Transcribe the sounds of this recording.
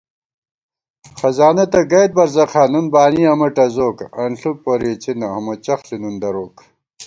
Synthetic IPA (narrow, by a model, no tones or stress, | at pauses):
xɐzaːnɐt̪ɐɡɐjd̪̚bɐɾzɐqʰaːnunbaːniɐmɐʈɐzoːkɐnɬuk̚poɾiːt͡ɕʰinɐhɐmot͡ɕɐxlinund̪ɐɾoːk